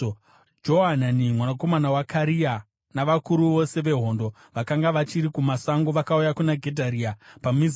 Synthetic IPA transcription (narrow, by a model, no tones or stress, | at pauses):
d͡ʒoɦananimwanako̞manawakʰaɾia | naʋakuɾuʋo̞se̞ʋe̞ɦo̞ːndo̞ | ʋakaŋɡaʋat͡ʃiɾikumasaŋɡoʋakaujakunaɡʱe̞dʱaɾiːapamiz